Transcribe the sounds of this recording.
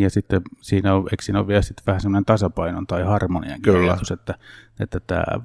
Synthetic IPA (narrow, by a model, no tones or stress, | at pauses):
jɑsit̪ːesiːnæoʋḛiksiːno̰ʋʋiælsit̪ːʋæhæsemːonent̪ɑsɑpɑino̰nt̪ɑihɑrmonḭɑ̰ŋkːt̪uset̪ːæḛt̪ːæt̪æ̰ː